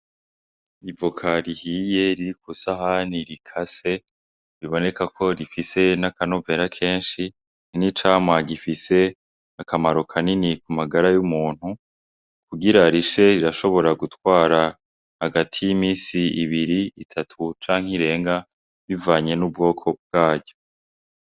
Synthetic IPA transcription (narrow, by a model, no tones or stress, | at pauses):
ivokʰaɾihiːje̞ɾiɾikusaɦaniɾikʰase̞ | ɾiβo̞ne̞kakʰo̞ɾifise̞nakano̞ve̞ɾakʰe̞ːnʃi | ninit͡ʃaːmwaɡifise̞ | akʰamaɾokʰaninikumaɡaɾajumuːn̥hu | kuɡiɾaɾiʃe̞ɾiɾaʃo̞βo̞ɾaɡutwaːɾa | haɡatʰijimiːsiiβiɾiitʰatʰut͡ʃaːŋ̥hiɾe̞ːŋɡa | βivaːɲe̞nubɡo̞ːkʰo̞b̚ɡ̥aːɟo̞